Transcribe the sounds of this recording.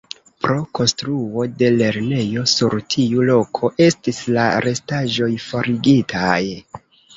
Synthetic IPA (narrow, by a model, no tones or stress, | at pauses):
pɾo̞ko̞nstɾuo̞de̞le̞ɾne̞jo̞suɾtʰiulo̞kʰo̞ʔe̞stislaɾe̞staʒo̞jfo̞ɾiɡitʰaj